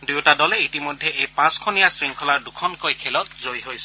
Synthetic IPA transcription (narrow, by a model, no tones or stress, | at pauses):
dewtadɔlɛitimɔjdʱːɛʔejpãskʰɔnijasɹiŋkʰɔlaɹdukʰɔnkojkʰɛlɔt̚zojɦojsɛ